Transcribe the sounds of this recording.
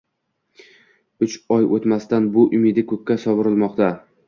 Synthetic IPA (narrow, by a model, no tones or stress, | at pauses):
ʊt͡ʃɒjʔot̪mast̪anbʊʔʊmɪd̪ɪkʰɵkʲːasɒvɨɾɪlˠmɒqt̪a